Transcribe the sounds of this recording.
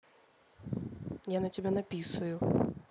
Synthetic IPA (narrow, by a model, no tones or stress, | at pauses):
janɐtʲɛbʲɛnapʲisuju